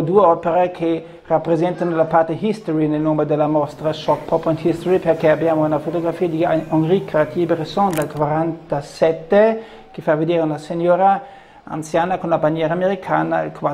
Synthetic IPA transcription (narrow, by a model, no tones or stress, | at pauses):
d̪ueɔːpeɾekʰe | rapːɾezɛnt̪anolapart̪eɦist̪oɾinelnomed̪elːamɔst̪ɾaʃɔkpʰɔpɔnt̪hist̪oɾiperkɛabjaːmounafot̪oɡɾafiːad̪ioŋɾikeat̪ibeɾesond̪alkwaɾant̪asɛt̪ːe | kefaved̪eːɾeunasenɔːɾa | a̰nt̪sjaːnakonlabanjɛːɾaːmeɾikʰaːna̰lkwa